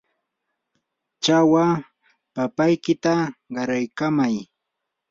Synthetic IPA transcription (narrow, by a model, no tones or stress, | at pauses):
t͡ʃawa | papajkɪt̪aɢɑɾajkamaj